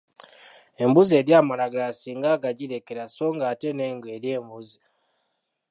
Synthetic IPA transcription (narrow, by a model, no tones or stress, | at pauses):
e̞mbuze̞ːɾjaːmalaɡlasiːŋɡaɡaɟiɾe̞ke̞ɾaso̞ːŋɡaːte̞neːŋɡwe̞ɾjeːmbuzi